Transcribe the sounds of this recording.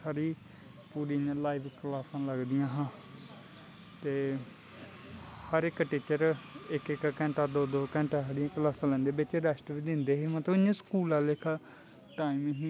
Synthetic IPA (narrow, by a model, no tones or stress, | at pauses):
aɾiː | puːɾĩːlaːibklaːsãːləɡd̪ɪjãːɦãː | t̪eː | həɾɪkʈiːt͡ʃəɾɪkɪkkɛ̃ːɳʈaːd̪oːd̪oːkɛ̃ːɳʈaːɦəɾĩklaːsãːlɛ̃ːnd̪eːbɪt͡ʃɾɛːsʈʋiːd̪ɪnd̪eːɦeːmət̪ləbɪɲãːskuːlaːlɪk | ʈaːimɦĩ